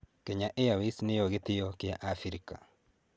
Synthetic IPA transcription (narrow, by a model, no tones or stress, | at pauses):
keɲaʔejawisnejoɣetejɔkjaʔafiɾika̰